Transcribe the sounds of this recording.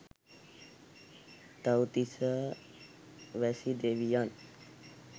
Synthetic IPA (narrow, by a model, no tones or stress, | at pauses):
t̪awt̪isə | ʋɛsid̪eʋijan